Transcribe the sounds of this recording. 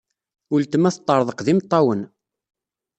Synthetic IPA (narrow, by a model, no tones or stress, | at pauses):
ʊlt̪əmæθt̪ˤːəɾˤðˤəqðimt̪ˤːɑwən